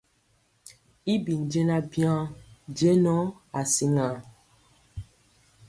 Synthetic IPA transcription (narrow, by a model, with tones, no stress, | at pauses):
i˦bi˨n˨d͡ʒe˦na˦bjã˦d͡ʒe˦nɔ˦a˨si˦ŋa˨